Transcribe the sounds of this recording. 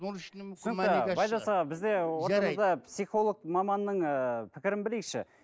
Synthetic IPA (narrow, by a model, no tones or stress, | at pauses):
nʃnsɪnɪbɑjd̪ɑsɑʁɑbɪzd̪e̞wo̞ɾt̪ɑmd̪ɑpsijχo̞lˠək̚mɑmɑnːəɴəpʰɪkʲɪɾɪnbɪlekʃɪ̰